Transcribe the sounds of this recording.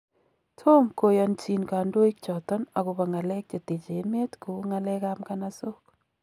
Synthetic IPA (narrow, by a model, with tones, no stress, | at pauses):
tʰo˦mko˨ja˨nt͡ʃi˨nkaː˨ndo˦i˦k̚t͡ʃɔ˨tɔ˦na˨ku˨ba˨ŋa˨lɛ˦k̚t͡ʃa˨te˨t͡ʃe˨˦me˦tku˨˦ŋa˦lɛ˦ka˦mka˦na˦so˦k